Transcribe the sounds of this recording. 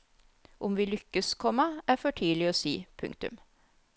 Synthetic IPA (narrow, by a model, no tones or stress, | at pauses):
ʔʊmʋiːlʏkːəskʰɔmːəæːɾfɔʈʰiːlɪoːsiːpʰʉ̰ŋkt̪ʉ̰m